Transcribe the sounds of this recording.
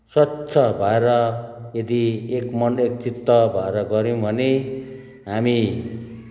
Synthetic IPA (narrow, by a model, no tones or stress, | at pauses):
sʌt͡sʰʌbʱaeɾʌjed̪iekmʌnek̚t͡sit̪ːʌbʱʌeɾʌɡʌɾĩbʱʌne | ɦami